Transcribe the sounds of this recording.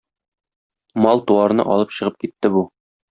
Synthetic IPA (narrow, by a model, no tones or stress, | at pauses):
mɒlˠt̪uɑɾnɤ̰ʔɒlˠɤpɕɤ̆ʁɤp̚kit̪ːɘbu